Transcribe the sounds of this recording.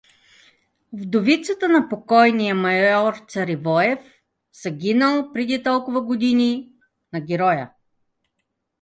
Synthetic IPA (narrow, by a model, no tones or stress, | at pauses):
vd̪ovit̪sət̪ənɐpokɔjnijəmɐjɔɾt̪sɐɾivɔjɛf | z̥ɐɡʲinəlˠpɾɛd̪it̪ɔlˠkʊvəɡod̪inʲi | nɐɡʲɛɾɔjə